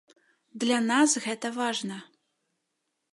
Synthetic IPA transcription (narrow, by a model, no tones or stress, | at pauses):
d̪lʲanɑsɣɛt̪əvɑʐnə